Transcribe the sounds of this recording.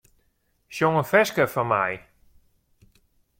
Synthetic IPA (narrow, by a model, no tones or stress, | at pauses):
ʃjoŋənfɛskəfɔnma̰j